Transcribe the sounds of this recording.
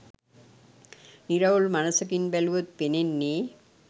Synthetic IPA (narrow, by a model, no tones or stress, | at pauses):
niɾaolmanasak̬inbɛluot̪̚penenːe